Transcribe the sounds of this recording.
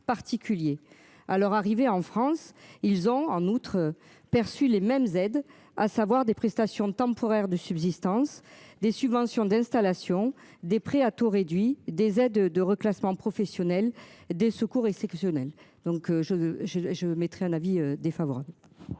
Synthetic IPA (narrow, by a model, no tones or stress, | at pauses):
paʁt̪ikʲylje | alɔʁaʁiveɑ̃fχɑ̃silzɔ̃ɑ̃nut̪χø | pɛʁsylemɛmzɛd̪ | a̰savwaʁd̪epχɛst̪asjɔ̃t̪ɑ̃pʰɔʁɛʁd̪əsybzist̪ɑ̃sd̪esybvɑ̃sjɔ̃d̪ɛ̃st̪alasjɔ̃ | d̪epχeat̪oʁed̪ɥid̪ezɛd̪d̪əʁəklasmɑ̃pχɔfɛsjɔnɛld̪esəkuʁɛksɛpsjɔnɛld̪̥ɔ̃kʒəʒəʒəmɛt̪χɛɛ̃naviød̪efavɔʁabl